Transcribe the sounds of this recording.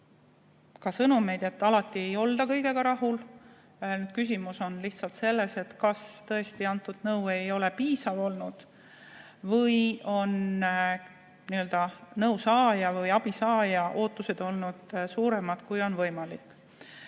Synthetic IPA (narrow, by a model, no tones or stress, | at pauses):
kɑsɤnume̞jd̪e̞t̪ːɑlɑt̪ːˑie̞jo̞ld̪̥ɑkɤjɡe̞ɡɑɾɑɦul | nyːd̪̚kys̬ʲimuso̞nliht̪sɑlt̪se̞lːe̞se̞t̪kɑst̪ɤ̞e̞st̪iɑnt̪ːˑud̪̥nɤwe̞jo̞le̞piːsɑvo̞lnud̪̥ | vɤjo̞n | niø̞ld̪̥ɑnɤwsɑːjɑvɤjɑb̥isɑːjɑʔo̞ːt̪ːˑuse̞d̪̥o̞lnud̪̥suːɾe̞mɑd̪̥kujo̞nvɤjmɑlikːˑ